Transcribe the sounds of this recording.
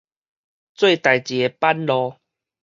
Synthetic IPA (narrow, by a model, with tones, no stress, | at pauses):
t͡swe˥˧˨t̪a˨˩jt͡ɕi˨˩e˧pa˦nlɔ˧